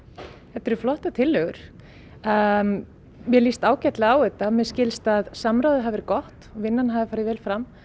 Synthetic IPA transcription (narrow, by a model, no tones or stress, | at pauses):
hɛt̪ʏɾʏflɔht̪at̪ʰɪlːœɣʏɾ̥ | mjɛlist̪aːwcɛt̪laaːwʏt̪amɛðscɪlst̪aðsamɾawðɪɦavɪɾkɔht̪ɔvɪnːanɦaːðɪfaːɾɪvɛːlfɾam